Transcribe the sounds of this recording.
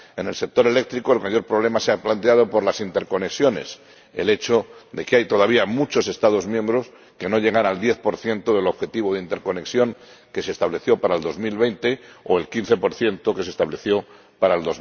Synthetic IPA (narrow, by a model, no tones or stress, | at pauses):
e̞ne̞lse̞k̚t̪o̞ɾe̞le̞k̚t̪ɾikoelmaʝo̞ɾpɾo̞β̞le̞maseaplant̪̬e̞að̞o̞po̞ɾlasint̪e̞ɾko̞ne̞ksjo̞ne̞̰s | e̞̰le̞t͡ʃod̪e̞keajt̪o̞ð̞aβiamut͡ʃo̞se̞st̪að̞o̞zmjembɾo̞s | ke̞no̞ʎe̞ɣ̞anald̪je̞θpo̞ɾθje̞nt̪oðe̞lo̞βxe̞t̪iβ̞oðeint̪e̞ɾko̞ne̞ksjo̞ŋ | ke̞se̞ːst̪aβle̞θjo̞paɾaeld̪o̞zmilβe̞jnt̪e̞oe̞lkinθe̞po̞ɾθje̞nt̪o̞ke̞s̬est̪aβle̞θjo̞ | paɾaeld̪oz